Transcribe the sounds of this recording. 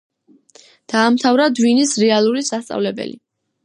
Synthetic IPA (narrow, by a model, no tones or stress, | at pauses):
d̪̥aːmt̪ʰavɾad̪winisɾɛalˠuɾisast̪sʼa̰vlɛbɛ̰lḭ